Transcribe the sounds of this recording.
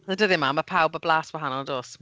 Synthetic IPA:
ədəðimaːməpʰawbəblaːswaɦanɔlˠdoːs

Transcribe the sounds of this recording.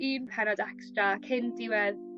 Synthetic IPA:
iːnpʰɛnɔdɛkstrakʰɪndɪwɛð

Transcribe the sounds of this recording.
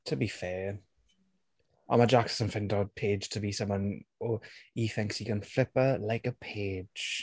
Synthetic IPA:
tʰəbifɛː | ã̰məd͡ʒakssə̃ɱfɪ̃ndɔd̚pʰeɪd̥ʒ̥tʰəbisʌ̃mwʌ̃noːhiθɪ̃ŋkshikʰə̃nflɪpəlaɪkəpʰeːd̥ʒ̥

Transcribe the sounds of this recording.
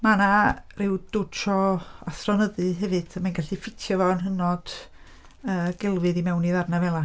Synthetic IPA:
manarɪwd̥ʊt͡ʃʰɔaθrɔnəðɨɦɛvɨd̥əmanɡaɬifɪtʰjɔvɔnɦənɔd̥ | əːɡ̥ɛlˠvɨðimɛwniðarnavɛlˠa

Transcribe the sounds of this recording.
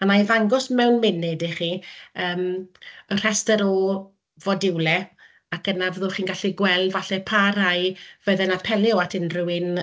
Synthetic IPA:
amaivaŋɡɔsmɛwnmɪnɪdiχiːəːmər̥ɛstəɾɔ | vɔdɪwlˠɛ | akənavəðʊχiːnɡaɬiɡwɛlˠvaɬɛpʰaɾajv̥əðɛnapʰɛlɪɔatʰɪnrɪwɪn

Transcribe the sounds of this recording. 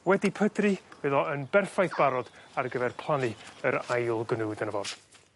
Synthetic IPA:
wɛdipʰədrɨvɨðɔənbɛrfajθb̥aɾɔd̥arɡəvɛrpʰlˠanɨəɾajlˠɡnuːdənəvɔrd̥

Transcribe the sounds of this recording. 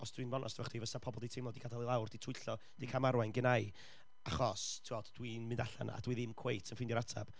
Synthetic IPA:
ɔsd̥winvɔnʔɔ̰sd̥ʰvɔχd̥ivəsapʰɔbɔlˠdijtʰejmlɔdiɡadalˠɪlˠawrd̥itʰʊɨɬɔ | d̥ikʰamaɾwajnɡənaj | aχɔstʰuɔ̥d̥winmɨndaɬa̰na̰a̰d̥wiðɪmkʰwejtʰənfɪndjɔɾatʰa̰b̥

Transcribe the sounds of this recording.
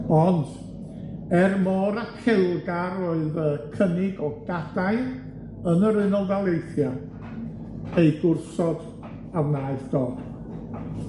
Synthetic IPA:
ɔnd | ɛrmɔːɾakʰɪlˠɡaɾoːɨðəkʰənɪɡɔɡ̥adaj | ənəɾɪnɔlˠvalˠejθja | ejɡʊrsɔd | awnaːɨθd̥ɔːd̥

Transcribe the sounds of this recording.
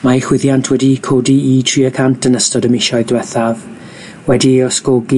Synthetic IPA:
maixwɪðjantʰwɛdikʰodiːtʰriːəkʰantʰənəstɔdəmɪʃɔɨðdwɛθav | wɛdiɔskɔɡi

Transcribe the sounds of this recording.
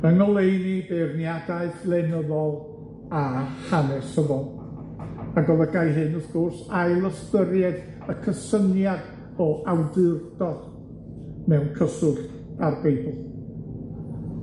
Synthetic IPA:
ənɔlˠejnibernjadaɨθlˠɛnəðɔlˠ | ahanɛsəvɔnˠ | aɡɔlˠəɡajɦɨnəθɡʊrsajlˠəstəɾjɛd | əkʰəsənjad | ɔʔawdɨrd̥ɔd | mɛwnkʰəsʊɬ | arbejbʊlˠ

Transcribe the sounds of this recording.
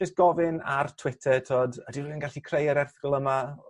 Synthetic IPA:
d͡ʒɪst̚ɡ̥ɔvɪnartʰw̥ɪtʰɛtʰoːdədiroðənɡaɬikʰrejəɾɛrθkɔlˠəma

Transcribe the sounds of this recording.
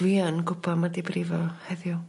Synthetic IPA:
wiːanɡʊpʰamadibɾivɔhɛðjɔ

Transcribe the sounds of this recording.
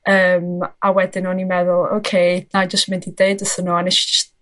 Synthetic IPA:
əːmawɛdɪnɔnimɛðʊlˠo̰ːkʰejnad͡ʒəstmɪ̃ndideɨdəsənuanɛʃi̥d͡ʒəst

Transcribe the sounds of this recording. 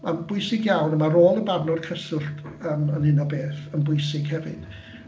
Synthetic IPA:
manbʊɨsɪɡjawnəmaɾoːlˠəbarnɔd̥̚kʰəsʊrtʰəːmənɪnɔbeːθənbʊɨsɪɡ̥hɛvɪ̰d̥

